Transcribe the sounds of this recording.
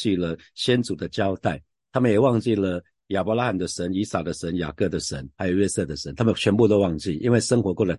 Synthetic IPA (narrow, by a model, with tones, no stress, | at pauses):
t͡ɕi˥˩lə˩ | ɕjɛ˥nt͡su˨˩d̪ə˦t͡ɕjɑ˥ʊt̪a˥˩ɪ | t̪ʰa˥mə˨njɛ˨˩wɑ˥˧ŋt͡ɕi˥˩lə˩ | ja˨˩pɔ˧˥la˦˥xa˥˩nd̪ə˨ʂə˧˥ni˧˥sa˨˩d̪ə˨ʂə˧˥nja̰˨˩kɤ˥˩d̪ə˩ʂə˧˦nxa˧˥ɪjo˨˩ʊɥɛ˥sɤ˥˩d̪ə˩ʂə˧˦nt̪ʰa˥mə˨t͡ɕʰɥɛ˧˥npu˥˧t̪o˥ʊwɑ˥˧ŋt͡ɕi˥˩ʔḭ˥nwe˥˩ɪʂə˥ŋxwɔ˧˥kwɔ˥˩lə˨˩